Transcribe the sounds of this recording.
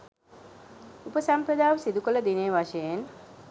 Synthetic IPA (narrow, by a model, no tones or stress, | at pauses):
upəsampɾəd̪aːʋəsid̪ukələd̪ineːʋaʃejen